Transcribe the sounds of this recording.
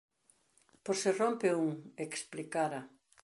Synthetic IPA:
poɾsɪrompeuŋeksplikaɾɐ

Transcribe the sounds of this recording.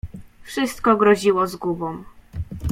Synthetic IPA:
fʂɘst̪kɔɡɾɔʑiwɔzɡubɔm

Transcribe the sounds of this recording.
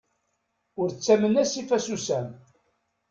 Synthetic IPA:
ʊɾt͡sːæmənæsifæsusæm

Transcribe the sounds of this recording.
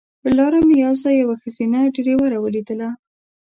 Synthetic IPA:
pəlɑɾamijɑzajawaxəzinaɖeɾewaɾawəlid̪əla

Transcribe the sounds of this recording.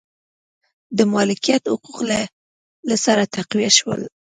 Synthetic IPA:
d̪əmɑlɪkijat̪hʊquqla | lasaɾat̪aqwijaʃwə̰l

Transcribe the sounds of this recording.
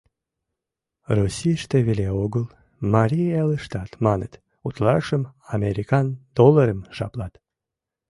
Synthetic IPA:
rusʲijʃt̪eβelʲeoɣəlˠ | mɑɾʲijeləʃt̪ɑt̪mɑnə̰t̪ | ut̪lɑʃəmɑmʲeɾʲikɑnd̪̥olˠəɾəmʒɑ̰plˠɑt̪

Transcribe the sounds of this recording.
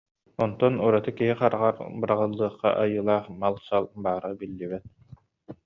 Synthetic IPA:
ɔnt̪ɔnuɾat̪ɯkiɦiqaɾaʁaɾbɯɾaʁɯlˠːɯːχqːa̰ʔajɯːlˠaːχmalˠsalˠbaːɾɯbilːibɛt̪̚

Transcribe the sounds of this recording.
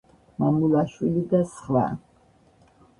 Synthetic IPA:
mamulaʃwilid̪asχwa̰

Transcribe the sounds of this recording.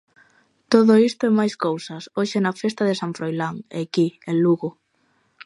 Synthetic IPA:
t̪oðʊist̪ʊɛmajskowsɐsoʃenɐfest̪ɐðesaɱfɾojlaŋekienluɣo

